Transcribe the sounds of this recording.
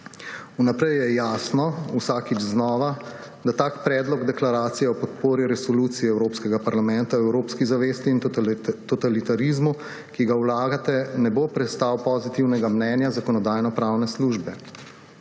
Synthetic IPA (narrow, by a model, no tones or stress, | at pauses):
unapɾɛjjɛjaːsnɔusaːkid͡ʒznɔːʋa | d̪at̪aːkpɾɛːd̪lɔɡd̪ɛklaɾaːt̪sijɛɔpɔt̪poːɾiɾɛsɔluːt̪siɛɛwɾoːpskɛɡapaɾlamɛnt̪aɛwɾoːpskizaʋest̪iːnt̪ɔt̪alit̪aɾizmu | kiɡawlaːɡat̪ɛnɛbopɾɛt̪st̪aːwpɔzit̪iwnɛɡamnɛːnjazakɔnɔd̪aːjnɔpɾaːwnɛsluːʒbɛ